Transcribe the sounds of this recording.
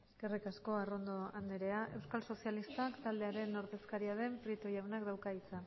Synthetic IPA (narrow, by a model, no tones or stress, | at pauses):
eskerikasko̞arond̪o̞and̪eɾe̞aʔe̞wskalso̞sialist̪akt̪ald̪e̞aɾe̞noɾðe̞skaɾiaðe̞mpɾit̪ojawnakd̪awkait͡sa